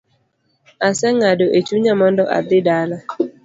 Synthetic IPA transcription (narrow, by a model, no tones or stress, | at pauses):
asɛŋadoʔet͡ʃuɲamɔndɔʔa̰bɪdala